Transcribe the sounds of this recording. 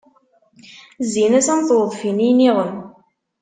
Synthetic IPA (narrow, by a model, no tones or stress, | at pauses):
zːinæsænθwðˤfinijniʁən